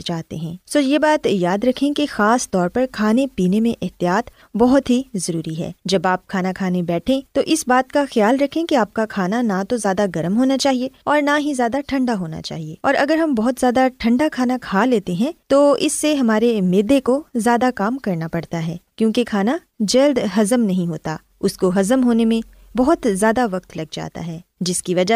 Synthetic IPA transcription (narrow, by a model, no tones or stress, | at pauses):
t͡ʃaːɦt̪ḛɦɛ̃ːsoːjebaːt̪jaːd̪ɾɐkʰẽkexaːst̪ɔːɾpɐɾkʰaːnepiːnemẽʔɛɦt̪ijaːt̪ | bɔɦʊt̪ɦizɐɾuːɾiɦɛ̰ːd͡ʒɐbaːp̚kʰaːnakʰaːnebɛːʈʰẽt̪oʔɪsbaːt̪kaxjaːlɾɐkʰẽkeaːp̚kakʰaːnanat̪ozjaːd̪aɡɐɾəmɦoːnat͡ʃaːɦieɔːɾnaɦizjaːd̪aʈʰɐ̃ɳɖaɦoːna̰t͡ʃa̰ːɦieɔːɾɐɡəɾɦɐmbɔɦʊt̪zjaːd̪aʈʰɐ̃ɳɖakʰaːnakʰaːleːt̪eɦɛ̃t̪oːɪsːeɦɐmaːɾemeːd̪ekozjaːd̪akaːmkɐɾnapɐɽt̪aɦɛːkjõːkekʰaːna | d͡ʒɐld̪ɦɐzəmnɐɦĩɦoːt̪a̰ | ʊskoɦɐzəmɦoːnemẽ | bɐɦʊt̪zjaːd̪aʋɐqt̪lɐɡd͡ʒa̰ːt̪a̰ɦɛːd͡ʒɪskiʋɐd͡ʒa